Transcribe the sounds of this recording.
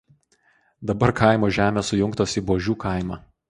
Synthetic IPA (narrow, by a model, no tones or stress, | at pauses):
d̪ɐbɐɾkʰɐˑɪmoːʒʲæːmʲeːsʊjʊŋkt̪oːsiːˑboːʒʲuːkɑˑɪmɑː